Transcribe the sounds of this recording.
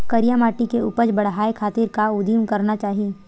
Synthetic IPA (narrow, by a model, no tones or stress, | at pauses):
kɐɾijamaːʈikeʊ̰pəd͡ʒbɐɽ̤ɦaːekʰaːt̪iɾkaʊd̪iːmkɐɾnat͡ʃaːɦiie